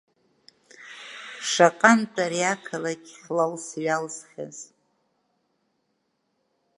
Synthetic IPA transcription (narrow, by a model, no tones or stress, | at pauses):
ʂaqʼantʼaɾiakʰalakʲħlawsɥalzχʲaz